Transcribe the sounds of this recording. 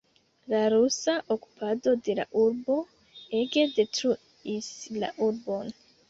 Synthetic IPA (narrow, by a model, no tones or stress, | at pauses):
laɾusaʔoku̥pʰado̞de̞la̰ʔuɾbo̞ | e̞ɡe̞de̞tɾu | isla̰ʔuɾbo̞n